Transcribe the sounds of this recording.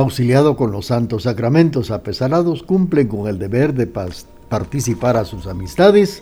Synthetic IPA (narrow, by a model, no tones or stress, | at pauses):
awsiljaðo̞ko̞nlo̞sːant̪osːakɾamẽ̞nt̪o̞sape̞saɾaðo̞skumpleŋko̞ŋe̞ld̪e̞βeɾðe | paɾt̪isipaɾasusamist̪aðes